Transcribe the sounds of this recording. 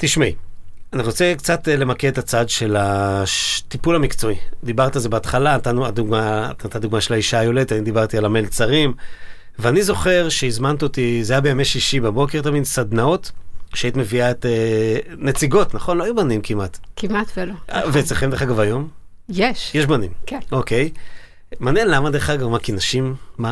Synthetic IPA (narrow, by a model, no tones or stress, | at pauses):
t̪iʃmianiʁo̞t͡sekt͡sat̪le̞makeet̪at͡sad̪ʃe̞la | t̪ipulhamikt͡so̞id̪ibaʁt̪alzebeːt̪χalat̪anuad̪uɡmaat̪ad̪uɡmaʃelaiʃajo̞led̪et̪aind̪ibaʁt̪ialamelt͡saʁim | veanizo̞χe̞ʁʃeizmant̪otizajabeameʃiʃibabo̞keʁt̪aminsad̪nao̞t̪ʃeait̪me̞viaet̪e | net͡siɡo̞t̪naχo̞nloajubanimkimat̪kimat̪velovet͡seχemd̪eχaɡavajo̞m | jeʃjeʃbanimkeo̞ke̞j | manenlamad̪eχaɡavmakinaʃimːa